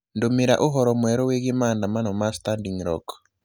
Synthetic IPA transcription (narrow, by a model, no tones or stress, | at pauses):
ndomeɾa̰ʔoɦɔɾɔmwɛɾɔweɣemaːndamanɔmastandiŋɾɔ̰k